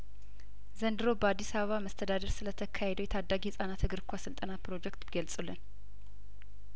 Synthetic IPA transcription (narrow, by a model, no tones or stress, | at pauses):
zənd̪ɨɾobəad̪ːisaβəβaməst̪ʰəd̪ad̪əɾsɨlət̪ʰəkʰahed̪əwjɛt̪ʰad̪ːaɡihɨsʼanat̪hɨɡɨɾkʷʰasɨlt̪ʼənapɾo̞d͡ʒɛkt̪bɡəlsʼulːɨn